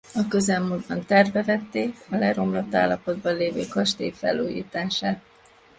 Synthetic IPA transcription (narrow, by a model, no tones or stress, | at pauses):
ɒkø̞zɛlmuːd̪bɒnt̪ɛrvɛvɛt̪ːeːkɒlɛɾo̞mlot̪ːa̰ːlːɒpo̞d̪bɒnleːvøːkɒʃt̪eːfɛ̰lːuːjḭːt̪aːʃaːt̪̚